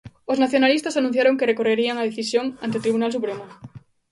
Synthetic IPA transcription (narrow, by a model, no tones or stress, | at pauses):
oznaθjo̞nalist̪asanũn̟θjaɾo̞ŋkerekoreɾiaŋað̞eθisjoŋant̪et̪ɾiβunalsupɾemo